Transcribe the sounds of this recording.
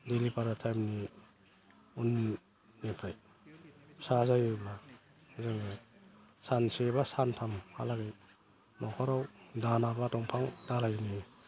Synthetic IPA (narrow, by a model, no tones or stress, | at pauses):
delipaɾatʰajmni | unː | epʰɾaj | sazajbla | zɯŋbɯjsansebasantʰamha̰laɡaj | nɔkʰɔɾawdanabatɔŋpʰaŋdalajni